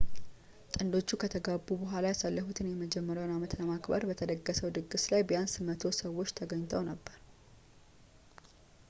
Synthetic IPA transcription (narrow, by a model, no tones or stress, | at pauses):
t̪ʼɨnd̪o̞t͡ʃːukʰət̪ʰəɡabːubəɦʷalajasalːəfut̪ʰɨnjɛməd͡ʒɛmːəɾjawnamət̪ləmakbə̰ɾbət̪ʰəd̪əɡːəsəwd̪ɨɡɨslajbəjansɨmət̪ʰo̞səwːo̞t͡ʃːt̪ʰəɡəɲːt̪ʰəwnəbːəɾ